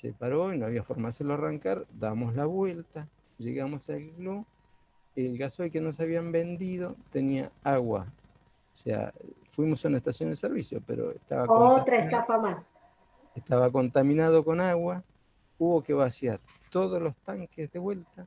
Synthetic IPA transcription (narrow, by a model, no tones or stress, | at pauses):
sḛpaɾo̞inoaβiafoɾmaeseloaraŋkaɾd̪aβmo̞szlaβwe̞lt̪a | ʒḛɣamo̞salklu | elɣaso̞jkenos̬eaβiambe̞nd̪iðo̞t̪enia̰aɣwa̰ | osḛa̰fwimo̞soneht̪asjo̞nd̪eseɾβisjo̞̰pḛɾo̰ḛht̪a̰βaot̪ɾaest̪afamas | eht̪aβako̞nt̪amĩnaðo̞ko̞naɣwa | uβo̞keβasjaɾ | t̪o̞ðozlo̞st̪aŋkezðeβwe̞lt̪a